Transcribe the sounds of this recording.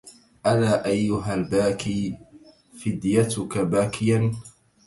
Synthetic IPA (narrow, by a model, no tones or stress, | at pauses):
ʔalaːʔajːʊɦalbaːkiː | fɪd̪jat̪ʊkabaːkɪjan